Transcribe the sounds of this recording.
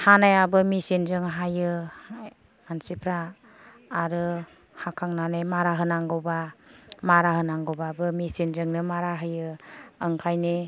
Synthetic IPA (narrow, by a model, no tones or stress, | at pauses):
hanajabɯmisinzɯŋɦajɯ | ansipʰɾaː | ɾɯ | hakʰaŋnanejmaɾaɦɯnaŋɡɔwbamaɾaɦɯnaŋɡɔwbabɯmisinzɯŋnɯmaɾaɦɯjɯɯŋkʰajne